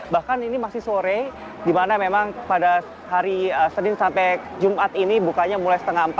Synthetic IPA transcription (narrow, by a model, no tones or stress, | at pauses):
bahkaninimasɪhsoɾɛ | dimanamemaŋpada | ɦaɾiəsənɪnsampɛ | d͡ʒumat̪inibukaɲamulajsə̥t̪əŋampa